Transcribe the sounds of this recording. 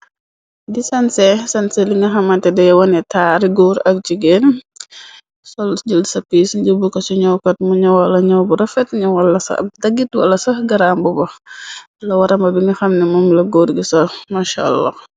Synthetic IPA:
disɐnsɛsɐnsɛliŋɡɐxɐmɐntɛdɛjwɐnɛtaːɾiɡɔːɾɐk̚d͡ʒiɡen | sɔld͡ʒəlsɐpiːsɟəbukɐsuɲɔwkɐt̚muɲɐwɐlɐɲɔwbuɾɐfɛtɲɐwɐlɐsɐ̰ɐ̰dɐɡitwɐlːɐsɐɡɐɾambubɐx | lɐwɐɾɐmbɐbiŋɡɐxɐmnɛmɔmlɐɡɔːɾɡisɐmaʃa̰lːa̰

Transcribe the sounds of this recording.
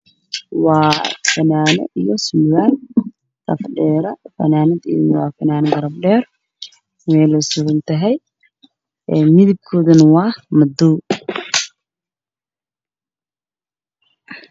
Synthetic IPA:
wɑːfɐnaːnɛ̰ʔijɔsʊmwaːl | sɐfɖɛːɾɐfɐ̰naːnɪd̪ḭːnwɑ̰ːfɐnaːnɐɡɐɾɐb̚ɖɛːr | mɛlɔsʊɣɐnt̪ʰɐɦɛj | ɛmɪðɪb̚kʰɔːðɐnwɑːhmɐd̪uː

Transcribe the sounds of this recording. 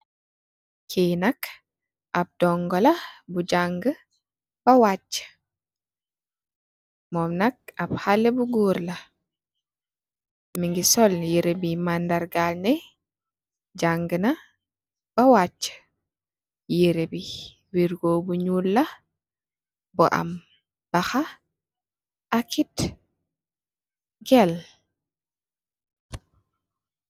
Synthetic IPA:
kʰenak | ʔab̚d̥ɔŋɡɔlabud͡ʒaŋɡə | b̥awat͡ʃːə̥ | mɔmnak̚abhalːɛbuɡoɾla | miŋɡisɔljiɾebimandaɾɡalnɛ | d͡ʒaŋɡəna | b̥awat͡ʃːə̥ | jeɾebi | wiɾɡoːbuɲulːa | bɔʔa̰m | b̥axa | ʔakit | ɡɛl

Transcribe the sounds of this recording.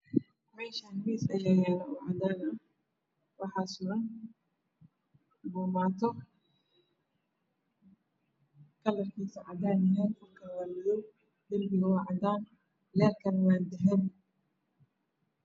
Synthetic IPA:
mɛːʃanmiːsɐjɐɣaːnɐʊʕɑd̪aːnɐ | wɑħɑːsʊʔɐn | bɔːmaːt̪ʰɔ | kʰɐlɐrkʰiːsɐʕɑd̪aːnɪjank̪ʰʊlkʰɐlɐmɪðɔw | d̪ɐlbɪɣɐwɑʕɑd̪aːn | lɛːlkʰɐnwaːnd̪ɛɦɛb

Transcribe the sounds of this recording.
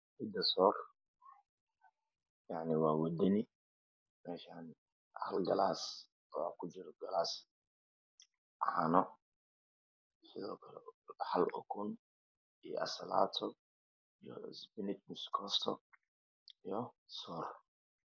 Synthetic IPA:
ħɪd̪ɐsɔr | jaʕniwaːwɔd̪ɪni | mɛːʃaːn | ʔa̰ħalɡɐlaːs | wa̰kʰʊd͡ʒɪɾɔɡɐlaːs | ħa̰nɔ | sɪðɔːkʰɐlɛħalʔɔkʰʊn | ij̰ʔɐ̰sɐla̰ːt̪ʰɔ | ijɔ̰sbɪnɪt̪mʊskʰɔft̪ʰɔ | ijɔsɔːr

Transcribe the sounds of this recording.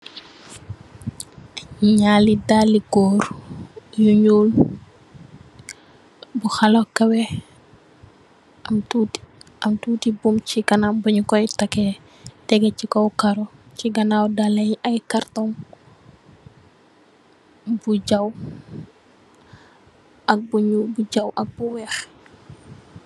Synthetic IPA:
ɲalidaliɡɔːɾjuɲuːl | buxalɔkɐwɛ | ɐmtut | ɐmtuːtibumcikɐnabɐɲukɔjtɐkɛ | tɛɡɛcikɔwkaɾɔciɡɐnawdalɛjɐjkartɔŋ | buɟɐw | ʔɐk̚buɲulbuɟɐwʔɐk̚buwɛːx

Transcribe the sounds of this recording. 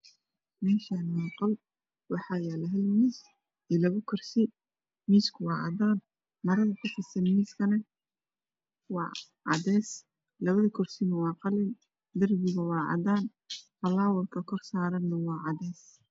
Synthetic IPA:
mɛːʃanmɑːqɔl | wɑħɑːjɛlɐɦɛlmiːs | ɛlɐβɐkʰɔrsɪ | miːskʰʊwɑːʕɑ̰d̪aːn | mɐɾɐðɐkʰʊfɪsɐnmiːskʰɐnɐ | wɑ̰ː | ʕɑ̰ðɛːs | lɐβɐðɐkʰɔrsɪnɐwɑːqɑlɪn | d̪ɐrbɪɣɐwɑːʕɑ̰daːn | fɐlaːwɔlkʰɐkʰɔrsaːɾɐnːɐwɑːʕɑdɛːs

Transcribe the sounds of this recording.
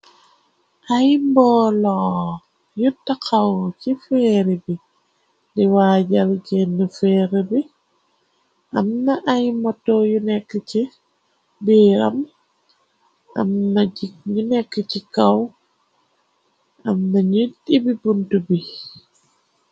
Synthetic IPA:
ʔajmbɔːlɔ | jutːakʰawcifɛːɾibi | diwaɟɐlɟɛnːəfɛːɾəbi | ʔɐmnɐʔajmɔtːɔjunɛkːəci | biːɾɐm | ɐ̰mnaɟiɲunɛkːəcikaw | ʔɐmnɐɲitibibuntubi

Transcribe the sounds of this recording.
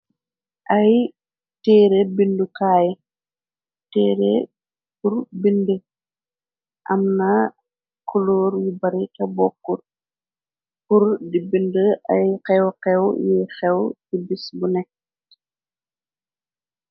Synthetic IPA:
ʔɐj | tɛːɾebindukaːj | tɛːɾḛ | kuɾbində | ʔɐmnɐ | kulɔːɾjibɐɾikɐbɔkːuɾ | kuɾdibindəɐjqɛwqɛwjɛxɛwtibisbunɛ

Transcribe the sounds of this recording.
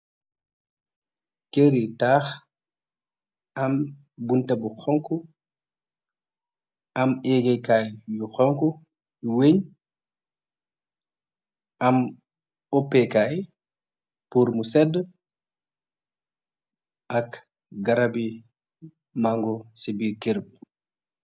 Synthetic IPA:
keɾitaːx | ʔam | buntabuxɔŋku | ʔamɛɡɛkajjuxɔŋku | juweɲ | ʔam | ɔpːɛkaj | puːɾmusɛdː | ʔak | ɡaɾabi | maŋɡɔsibiːɾkeɾbu

